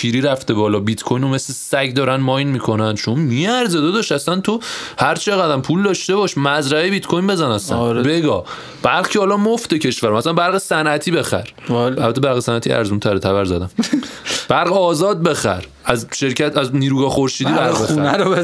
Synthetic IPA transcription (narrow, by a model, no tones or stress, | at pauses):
pʰiːɾiːɾæft̪ebɒːlɒːbit̪kʰojnome̞slesæɟd̪ɒːɾænmɒjnmiːkʰo̞nænd̪t͡ʃʰonmiæɾzed̪od̪ɒʃæsænt̪ʰohæɾt͡ʃʰe̞ɣæd̪æmpʰuld̪ɒʃt̪e̞bɒʃmæzɾæebit̪kʰojnbe̞zænæsæ̰nɾbeɡɒ̰ː | b̥æɾʁcʰehɒːlɒmoft̪ecʰe̞ʃvæɾomæsænbæɾɣesænʔæt̪ʰiːbe̞xæ̰ɾ | ælbæt̪ʰːebæɾɣesænæt̪ʰiʔæ̰ɾzunt̪ʰæɾet̪ʰæβæɾzæ̰d̪æm | b̥æɾɣeɒːzɒːd̪̚be̞xæ̰ɾ | æzʃe̞ɾcʰæt̪ʰæzniːɾuːɡɒːxoɾʃiːd̪ibæɾbeuænæɾo